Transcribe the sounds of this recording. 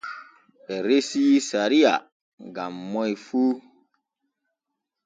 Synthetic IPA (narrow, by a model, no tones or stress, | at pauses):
pɛɾesisaɾia̰ | ɡamːɔjfu